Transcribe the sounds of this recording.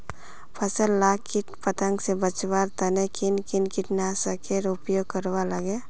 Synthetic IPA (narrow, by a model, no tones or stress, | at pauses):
pʰəsəlːakːiʈpət̪əŋɡsebət͡ʃbaɾt̪ənekinkinkɪʈnasəkeɾupjoɡ̚kəɾwaləɡe